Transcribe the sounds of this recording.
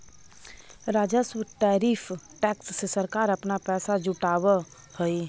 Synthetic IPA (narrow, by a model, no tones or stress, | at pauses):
ɾaːd͡ʒəswəʈɛːɾiːfʰ | ʈɛːksːesəɾkaːɾəpnapɛːsad͡ʒuʈaːwə | həi